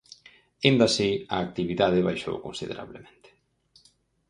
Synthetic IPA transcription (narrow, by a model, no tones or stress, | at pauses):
ind̪asiaːk̚t̪iβiðaðeβajʃo̰wkonsiðeɾa̰βlemẽnt̪e̥